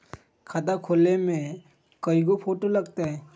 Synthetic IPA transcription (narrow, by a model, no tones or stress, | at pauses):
kʰat̪akʰoːlemẽ | kəiɡopʰoːʈolɐɡt̪aɦɛ̃ː